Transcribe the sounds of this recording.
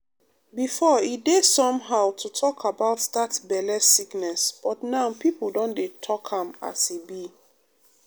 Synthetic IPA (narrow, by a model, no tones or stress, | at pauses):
bifɔidesɔ̃mɦaʊtʰutʰɔkʰabaʊtðatbɛlɛsiknɛsb̥ɔtnaʊpipldɔ̃ndetʰɔkhãma̰sibi